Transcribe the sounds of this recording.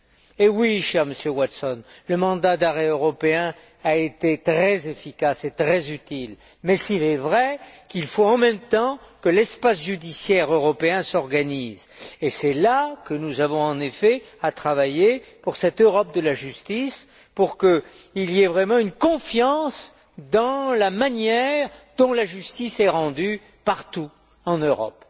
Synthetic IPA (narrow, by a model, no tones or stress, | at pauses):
ewiʃɛʁməsjøwat̪sɔnləmɑ̃d̪ad̪aʁɛøʁɔpeɛ̃ | aet̪et̪χɛzefikaset̪χɛzyt̪il | mɛsilɛvʁɛkilfoɑ̃mɛ̃mt̪ɑ̃kəlɛspasʒyd̪isjɛʁøʁɔpeɛ̃sɔʁɡanizesɛlakənuzavɔ̃ɑ̃nefɛ | at̪χavajepuʁsɛt̪øʁɔp̚d̪əlaʒyst̪is | puʁkəiliɛvʁɛmɑ̃ynkɔ̃fjɑ̃s | d̪ɑ̃lamanjɛʁd̪ɔ̃laʒyst̪isɛʁɑ̃d̪y | paʁt̪u | ɑ̃nøʁɔ̰p